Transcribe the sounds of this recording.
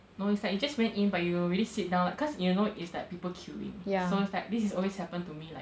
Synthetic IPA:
noɪtsdɛid͡ʒaswɛ̃nĩnbajuɹilisit̚dãw̃nlaɪkɔsjunoʔɪslat̚pipəlkʰjuḭ̃ŋjasoɪtslɛt̚disɛsɔlweshɛpə̃ntumilaɪ

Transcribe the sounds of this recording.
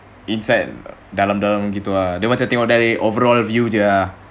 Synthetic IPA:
insajt̚dalamdalamɡit̪uadəmat͡ʃant̪ɛŋɔʔ̚daɾiʔovəɾɔlvjud͡ʒua

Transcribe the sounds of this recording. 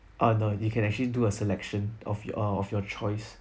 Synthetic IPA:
ʔanojukʰɛ̃nɛk̚t͡ʃəliduəsɛlɛkʃə̃nʔɔ̰fʌɔfjɔt͡ʃʰɔɪs

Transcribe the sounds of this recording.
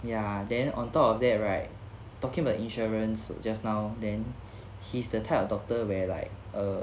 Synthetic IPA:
jadɛ̃nɔ̰̃ntɔpɔfdɛt̚ɹaɪt̚ | tːɔkĩŋəbaʊʔĩnʃɔɹə̃nsd͡ʒasnaʊdɛ̃n | hisdətʰaɪjtɔfdɔk̚təwɛla̰ɪk̚ə

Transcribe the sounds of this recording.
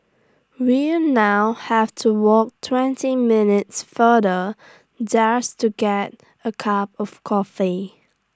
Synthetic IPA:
winaʊhɛftʰuwɔk̚tʰwɛ̃ntimɪnɪtsfədə | d͡ʒastuɡɛt̚ | əkʰap̚ɔfkʰɔfi

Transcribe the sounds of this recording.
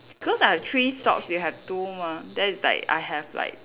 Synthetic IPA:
b̥ikɔsatʰɹistɔ̰ksjuɦɛvtumadɛtsla̰ɪka̰jɦɛvla̰ɪk̚

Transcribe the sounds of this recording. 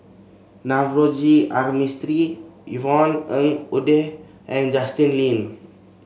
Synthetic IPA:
navrod͡ʒiarmist̪ɾiivɔnəŋudɛh | ɛ̃nd͡ʒast̪inlin

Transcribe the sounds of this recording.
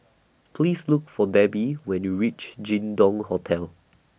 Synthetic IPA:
pʰlislukfɔdɛbiwɛ̃njuɹit͡ʃd͡ʒĩndɔ̃ŋhɔtʰɛl

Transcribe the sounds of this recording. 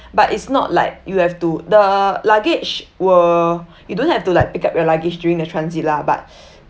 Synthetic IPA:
batitsnɔ̰t̚la̰ɪk̚juhɛftudəlaɡet͡ʃwə | judõnhɛftulaɪk̚pikap̚jɔlaɡɪd͡ʒdjuɹĩŋdətʰɹãnsit̚laba̰t̚

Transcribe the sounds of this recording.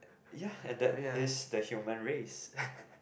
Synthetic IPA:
jaɛ̃ndɛtɪsdəhjumə̃nɹes

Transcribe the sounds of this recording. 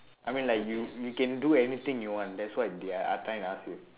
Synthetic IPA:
ʔaɪmĩnlaɪkjujukɛ̃nduɛnit̪ĩŋjuwãnd̪ɛtswaɪd̪iaa̰tʰãɪ̃nasu

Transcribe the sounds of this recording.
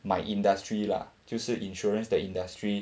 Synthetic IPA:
majʔĩndastɹila̰tusuĩnʃɔɹə̃nsdəĩndastɹi

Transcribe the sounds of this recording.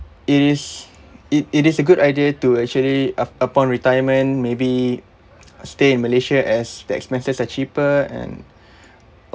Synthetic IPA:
iɾɪs | iitisəɡudajdiətuɛk̚t͡ʃuəliəpɔ̃nɹitajəmə̃nmebi | steɪ̃nməleʃaʔɛsdəɛ̰kspɛ̃nsəsat͡ʃipəɛ̰̃n

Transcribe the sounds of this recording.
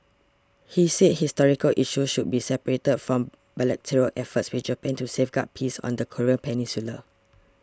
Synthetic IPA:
hiset̚histɔɹikəlʔiʃusʃud̚bisɛpəɹetədfɹɔ̃m | bɛlɛk̚tʰiɹəlʔɛfətswid͡ʒəpɛ̃ntusefɡa̰t̚pʰisɔ̰̃ndəkʰoɹiə̃npʰɛnĩnsulə

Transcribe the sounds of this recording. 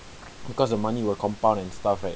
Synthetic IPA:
bikɔsdəmaniwəkʰɔ̃mpãʊ̃ndɛ̃nstafɛ

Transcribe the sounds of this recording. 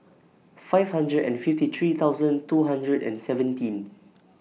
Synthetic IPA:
fajvhãndɹədɛ̰̃nfiftit̪ʰɹit̪ʰaʊzə̃ntuɦãndɹədɛ̰̃nsɛvə̃ntĩn

